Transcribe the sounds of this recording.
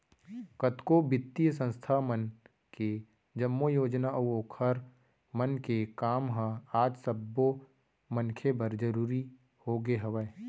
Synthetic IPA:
kət̪kobɪt̪ːijs̬ə̃nst̪ʰamən | ke | d͡ʒəmːojoːd͡ʒnaʔoːkʰəɾ | mənkekaːmɦãaːd͡ʒsɐbːo | mənkʰebəɾd͡ʒəɾuːɾi | hoɡeɦɐʋəe

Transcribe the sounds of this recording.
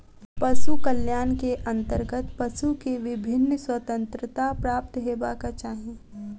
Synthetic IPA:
pɐʃukəljaːnkeʔə̃nt̪əɾɡət̪pɐʃukeʋɪbʱɪnːswət̪ə̃nt̪ɾət̪apɾaːp̚t̪ɦeːbakat͡ʃaːɦĩ

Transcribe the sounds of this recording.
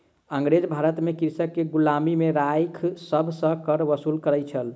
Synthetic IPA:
əŋɡɾed͡ʒbʱaɾət̪mekiɾsəkːeɡulamimeɾajkʰsəbʱsə̃kəɾʋəsulkəɾɛt͡ʃʰəl

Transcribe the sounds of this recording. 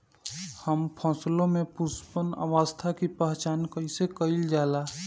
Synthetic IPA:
həmpʰɔ̃ːslõmẽpʊspəna̰ʋaːst̪ʰakipaɦt͡ʃaːnkəɪsekəɪld͡ʒaːlaː

